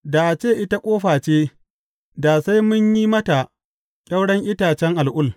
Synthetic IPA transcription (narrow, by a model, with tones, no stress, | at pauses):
da˨ʔa˨t͡ʃeː˦˨ʔɪ˦ta˦kʷʼoː˦ɸaː˨t͡ʃeː˦ | da˨sa˦jmʊ˦ɲjiː˦mɐ˦ta˨ | kʲʼɐ˦wɽɐ˦ŋʔɪ˦taː˨t͡ʃɛ˦ŋʔa˨lʔʊ˦l